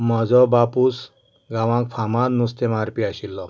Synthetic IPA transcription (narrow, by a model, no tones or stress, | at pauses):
m̤ɔd͡zɔbapus | ɡãʋãkfʰamãd̪nust̪emaɾpiaɕilːɔ